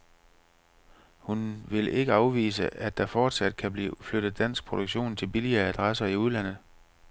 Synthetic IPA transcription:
hunʋe̝le̝ɡ̥əɑ̈ʊʋḭːsəʔæd̥ɑ̈fɒːd̥sæd̥̚kʰæb̥lḭːfløɾ̥ð̞̩ˠd̥æn̰sɡ̥̚pʰʁo̝d̥oɡ̥ɕo̝̰ːnt͡sʰe̝lb̥iliɐːæd̥ʁasɐiuð̞ˠlæn̰ð̞̩ˠ

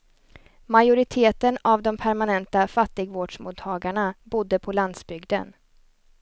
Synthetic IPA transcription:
majʊɾɪt̪ʰeːt̪ənavd̪ɔmpʰæɾmanɛnt̪afat̪ːɪɡvoːɖʂmuːt̪ʰːɑːɡaɳabʊd̪ːəpʰɔland̪sbʏɡd̪ə̰n

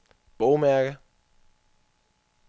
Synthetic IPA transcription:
b̥ɔʊmæɐɡ̥ə

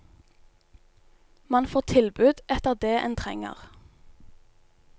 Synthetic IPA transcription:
mɑnfoːt̪ʰɪlbʉːd̪ʔɛt̪əʁd̪eːʔḛːnt̪ʰʁɛ̰ŋə̰ʁ

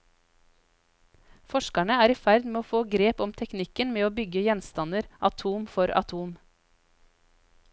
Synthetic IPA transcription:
fɔʃkæɳəæːɾiːfæɾd̪meːoːfoːɡɾeːpɔmt̪ʰɛknɪkənmeːoːbʏɡəjɛnst̪ɑnəɾʔɑt̪ʰuːmfɔɾɑ̰t̪ʰuːm

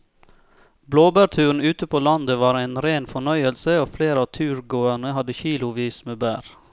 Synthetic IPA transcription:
bloːbæːɾt̪ʰʉːn̩ʉːt̪əpʰoːlɑnd̪əʋɑːɾeɪnɾeːnfɔɳœʏəlsəoːfleːɾɑːʋt̪ʰʉːɾɡoːæɳəhɑd̪əçiːlʊʋiːsmeːbæ̰ːɾ

